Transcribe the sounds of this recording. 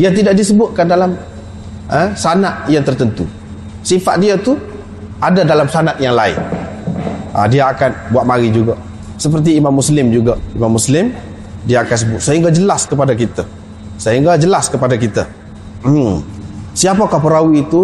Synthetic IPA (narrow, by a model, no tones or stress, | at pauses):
iat̪̬idaʔ̚disəbʊt̪̚kandalam | əsanat̪̚jaŋt̪ərt̪ənt̪u | sifaʔ̪̚diat̪u | ʔadadalamsanat̪̚jaŋlaɪ̰n | ʔa̰diaːkanbuaʔ̪̚maɾid͡ʒuɡa | səp̬ərt̪̬iːmamːuslɪmd͡ʒuɡaimamːuslɪm | diaakansəbʊt̪̚səɦiŋɡad͡ʒəlaskəpadakit̪a | səɦiŋɡad͡ʒəlaskəpadak̬it̪a | siapakapəɾawiːt̪u